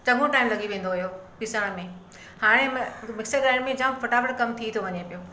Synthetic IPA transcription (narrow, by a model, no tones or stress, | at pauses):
t͡ɕɐɡõʈaːɪmlɐɠiʋẽːn̆d̪oɦjopɪsəɽ̃mẽ | haːɽ̃emɪksəɾɡaːɳmẽd͡ʑãːfɐʈaːʋəɽkɐmt̪ʰit̪ʰoʋɐɲepijoː